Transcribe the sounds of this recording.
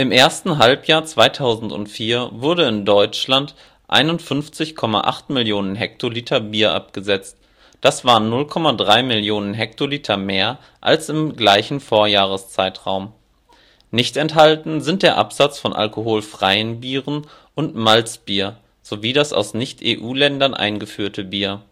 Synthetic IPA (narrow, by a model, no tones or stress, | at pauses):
ʔɪmʔeːɐstn̩ɦalpjaːɐt͡sv̥aɪtʰaʊzn̩tʊ̰ntfiːɐvʊɐɾəɪndɔʏt͡ʃlant | ʔa̰ɪnʊntfʏnft͡sɪçkʰɔma̰ʔa̰χtmɪljoːnənɦɛk̚tʰoliːtʰɐbiːɐʔa̰p̚ɡ̥əzɛt͡st | d̥asv̥aːʁənːʊlkʰɔmadʁaɪmɪljoːnənɦɛktʰoliːtʰɐmeːɐ | ʔa̰lsɪmɡlaɪçn̩foːɐjaːʁ̞əst͡saɪtʁ̥aʊm | nɪçtɛnthaltn̩zɪnt̚d̥eːɐʔa̰pz̥at͡sfɔnʔa̰lkoɦoːlfʁ̥aɪənbiːʁən | ʔʊntmalt͡sb̥iːɐ | z̥oviːdasa̰ʊsnɪçtʔeːʔuːlɛndɐnʔa̰ɪnɡəfyːɐtʰəbiːɐ